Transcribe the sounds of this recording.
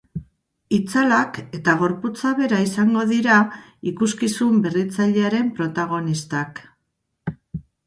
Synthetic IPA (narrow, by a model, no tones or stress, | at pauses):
it͡salake̞t̪aɣ̞o̞ɾput͡saβe̞ɾaisaŋɡo̞ðiɾaikuskisumbe̞rit͡saʎe̞aɾe̞mpɾo̞t̪aɣ̞o̞nist̪ak